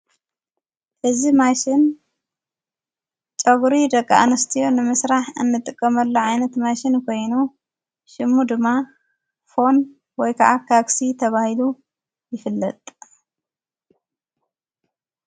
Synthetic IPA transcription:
ʔɨzimaʃɪn | t͡ʃʼɐɡuɾid̪ɐkʼːaʔa̰nɐst̪ʰijo̞nɨmɨsɾaħʔɨ̰nːɨt̪ʼɨkʼːɐmɐlːoʕajnɐt̪maʃɪnkʰo̞jnu | ʃɪmːud̪ɨmːa | fo̞n | wɔjkʰɐ̰ʕakʰaksit̪ʰɐβahilu | jɪfɨlːɐt̪ʼ

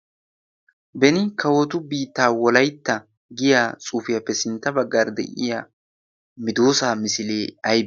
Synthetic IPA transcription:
bɛnɪkʰɐwɔt̪ʊbiːt̪ːaːwɔlɐjt̪ːɐ | ɡɪjaːt͡sʼuːfɪjɐpːɛsɪnt̪ːɐbɐɡːaːɾd̪ɛ̰ʔɪ̰ja | mɪd̪oːsaːmɪsɪleːɐjb

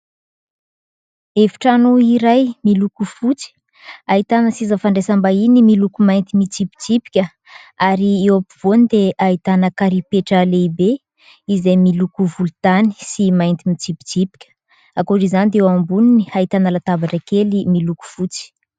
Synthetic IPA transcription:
evi̥ʈ͡ʂanuiɾajmilukufut͡si̥ | ait̪anəsizəfaɳɖ͡ʐesambainimilukumajnt̪imit͡sipi̥t͡sipi̥kʲə | aɾiewapiv̥onid̪eʔait̪anəkaɾipeʈ͡ʂəleibe | izejmilukuvulut̪ani̥simajnt̪imit͡sipi̥t͡sipi̥kʲə̥ | akoɾizanid̪ewambuniniait̪anəlat̪abaʈ͡ʂəkelimiluku̥fut͡si̥

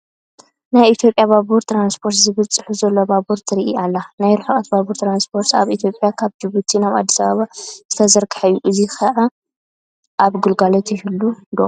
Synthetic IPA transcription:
najit̪jo̞pʼjaβaβuɾt̪ʰɾanspʰo̞ɾt̪zɨβɨt͡sʼːɨħuzɐlːobabuɾt̪ʰiɾiʔḭʔalːanajɾuħɨχʼɐt̪baβuɾt̪ʰɾanspʰo̞ɾt̪a̰βit̪ʰjo̞pʼjakʰaβd͡ʒɨβut̪ʰinaβa̰d̪ːisaβaβaz̥ɨt̪ʰɐzɐɾkʰḁħajːuʔɨzixʰɐʕa | ʔaβɡulɡalot̪ɪhulːud̪o̰

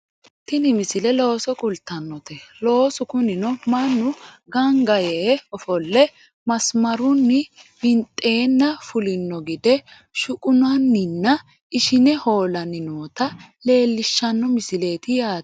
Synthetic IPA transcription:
t̪ɪnɪmɪsɪlɛlo̞ːsɔkʼʊlt̪ːɐnːɔt̪ɛlo̞ːsʊkʊnɪnɔmɐnːʊ | ɡɐŋɡɐjeːɔfɔlːɛ | mɐsmɐɾʊnːɪbɪnt̪ʼːe̞ːnːɐfʊlɪnːɔɡɪd̪ɛ | ʃʊkʼʊnɐnːɪnːɐ | ɪʃɪnɛho̞ːlɐnɪnuːt̪ɐle̞ːlːɪʃːɐnːɔmɪsɪle̞ːt̪ɪjaː

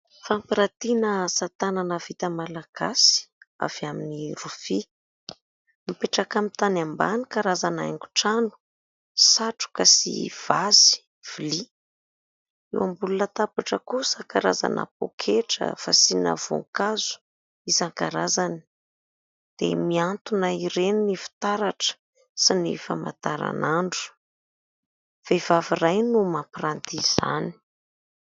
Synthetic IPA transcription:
fampiɾat̪inəsat̪ananəvit̪əmalaɡ̥asi̥a̰vaminirufi | mipeʈ͡ʂakamit̪anambanikaɾazanaḛŋɡu̥ʈ͡ʂanu̥ | saʈ͡ʂu̥kəsḭv̥azi̥ | v̥ili | ḛwambulunət̪apaʈ͡ʂəkusaŋkaɾa̰za̰na̰po̰kʰeʈ͡ʂə̰fasinə̰v̥o̰ŋkazu̥ | isaŋkaɾazani̥ | d̪̥ḛmiant̪unaiɾeninifi̥t̪aɾaʈ͡ʂə̥ | sinḛfəma̰t̪aɾa̰naɳɖ͡ʐu̥ | v̥evavirajnumaprant̪iz̥a̰ni̥

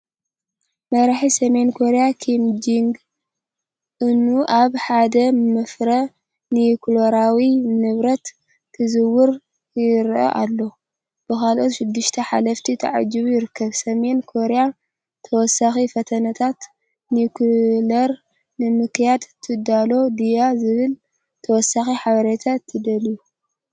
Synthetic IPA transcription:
mɐɾaħisɐme̞nkʰoɾejakʰimd͡ʒiŋɡ | ʔɨnːuʔaβħad̪ɐmɨfɾɐ | nikloɾawinɨβɾɐt̪ | kʰɨzɨwːʊɾ | jɪɾʔɐ̰ʔalːo̞ | b̥ɨkalʔot̪ʃɪd̪ːɨʃt̪ʰɐħa̰lɐft̪ʰit̪ʰɐ̰ʕa̰d͡ʒɨβujɪɾɨkːɐβsɐme̞nkʰoɾja | t̪ʰɐwɔsaxifɐt̪ʰɐnɐt̪ʰat̪ | nikʰlɐɾ | nɨmɨkjad̪t̪ʰɨd̪alo̞d̪ijazɨβɨl | t̪ʰɐwɔsːaxiħaβɐɾet̪ʰat̪ʰːɨd̪ɐliju

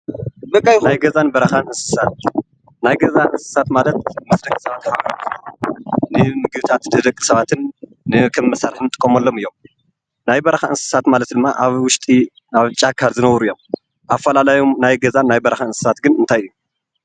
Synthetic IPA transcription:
bɐkʼːajnajɡɐzanbɐɾɐxanʔɨnsɨ̥sat̪̚ | najɡɐzanʔɨnsɨ̥sat̪malɐt̪mɨsd̪ɐkʼːi̥sɐβat̪ħabɾt̪ | nɨmɨɡβɨt̪ʰat̪t̪ʰɨd̪ɐkʼːi̥sɐβat̪ʰɨnː | ɨkʰɐmmɐsaɾħɨnt̪ʼɨkʼːomɐlːo̞mɨjːo̞m | najbɐɾɐxaɨnsɨ̥sat̪malɐt̪d̪ɨmːaʔaβwʊʃt̪ʼi | aβt͡ʃʼakʰːaɾzɨnɐwɾujːo̞m | ʔafːɐlalajomnajɡɐzanːajbɐɾɐxaɨnsɨ̥sat̪ɡɨnɨnt̪ʰajɨjːu

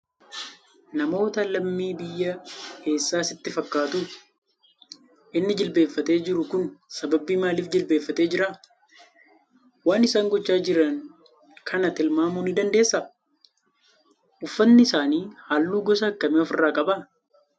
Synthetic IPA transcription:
nɐmoːt̪ɐlɐmːiːbɪjːɐke̞ːsːaːsɪt̪ːɪfɐkːaːt̪u | ʔɪnːɪd͡ʒɪlbeːfːɐt̪e̞ːd͡ʒɪɾʊkʊnsɐbɐbiːmaːliːfd͡ʒɪlbe̞ːfːɐt̪e̞ːd͡ʒɪɾa | waːnɪsaːŋɡɔt͡ʃːaːd͡ʒɪɾɐŋ | kʰɐnɐt̪ɪlmaːmunɪd̪ɐnd̪e̞ːsːɐ | ʔʊfːɐnːɪɪsaːniːhaːlːuːɡɔsɐɐkːɐmeɔfɪrːaːkʼɐbɐ

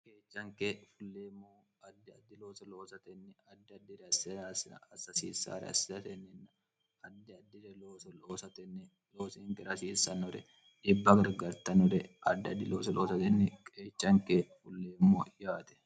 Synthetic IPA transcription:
keːt͡ʃːɐŋkeːfʊlːeːmːoː | ɐd̪ːɪɐd̪ːɪloːsɐloːsɐt̪ɛnːɪɐd̪ːɪɐd̪ːɪɾɛɐssɐsɐsiːsa̰ːɾɛ̰ɐ̰sɪ̥ɐt̪ɛnːɪnːɐ | ɐd̪ːɪɐd̪ːɪɾɛloːsɔloːsɐt̪ɛnːɛ | loːsɪŋkɛɾɐsiːsɐnɔɾɛ | ᶑɪbːɐɡɐɾɡɐɾt̪ɐnɔɾɛʔɐ̰d̪ːɪɐd̪ːɪloːsɐlʔoːsɐt̪ɛnːɪkʼeːt͡ʃːɐŋkeːfʊlːeːmːoːjaːt̪ɛ̥

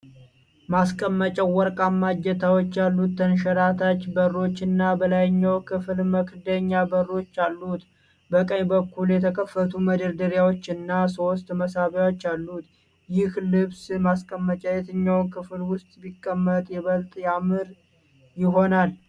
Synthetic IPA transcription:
maskʼəmːət͡ʃʼɛwɔɾkʼamːad͡ʒːɛt̪ʰawot͡ʃːalːut̪ːənʃəɾat̪ʰat͡ʃːbəɾːo̞t͡ʃːɨnːabəlajɪɲːəwkʰɨflməkʰɨd̪əɲːabərːo̞t͡ʃːalːut̪ | bəkʼəɲbəkʰːuljɛt̪ʰəkʰəfːət̪ʰuməd̪əɾd̪əɾjawo̞t͡ʃːɪnːaso̞st̪ʼməsaβjawot͡ʃːalːut̪ | jɪhlɨβsmaskʼəmːət͡ʃʼɛjɛt̪ʰɨɲːawnkʰɨflwʊst̪ʼbikʼːəmːət̪ʼjɛβəlt̪ʼjamɨɾ | jɪɦo̞nal

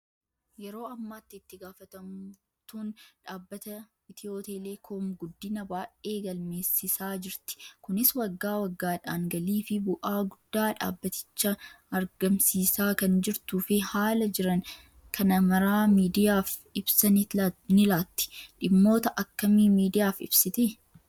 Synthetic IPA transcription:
jɛɾo̞ːɐmːaːt̪ːɪːt̪ːɪɡaːfɐt̪ɐm | t̪uːnᶑaːbːɐt̪ɐ | ɪt̪ɪoːt̪eːlekʰoːmɡʊd̪ːɪnɐbaːʔe̞ːɡɐlme̞ːsːɪsaːd͡ʒɪɾt̪ɪ̥kʊnɪswɐɡːaːwɐɡːaːᶑaːŋɡɐliːfɪbʊʔaːɡʊd̪ːaːᶑa̰ːbːɐt̪ɪ̥t͡ʃːɐː | ɾɡɐmsiːsaːkɐnd͡ʒɪɾt̪uːfɪhaːlɐd͡ʒɪɾɐn | kʰɐnɐmɐɾaːmiːd̪ɪjaːfɪbsɐnnɪlaːt̪ːɪ̥ᶑɪmːo̞ːt̪ɐʔɐkːɐmiːmiːd̪ɪjaːfɪ̰b̥sɪt̪ɪ

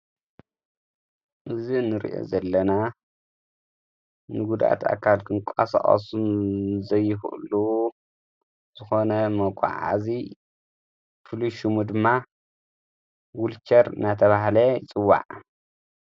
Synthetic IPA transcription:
ʔɨzinɨɾḭʔo̰zɐlːɐna | nɨɡud̪ʔa̰t̪ʰa̰kʰːalkʰɨŋkʷʼa̰sa̰χʼɐ̰sunzɐjːɪxʔṵlu | z̥ɨxo̞nɐmɐkʷʼa̰ʕa̰zi | fʰɨluʃumud̪ɨmːa | wult͡ʃɐɾɨnat̪ʰɐβaɦlɐjt͡sʼɨwːa̰ʕ

